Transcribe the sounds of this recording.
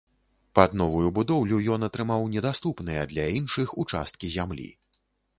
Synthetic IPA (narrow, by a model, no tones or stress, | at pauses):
pad̪nɔvujubud̪ɔwlʲujɔnɐt̪ɾɨmawnʲɛd̪ast̪upnɨjɛd̪lʲainʂɨxut͡ʂa̰st̪̚kʲizʲamlʲḭ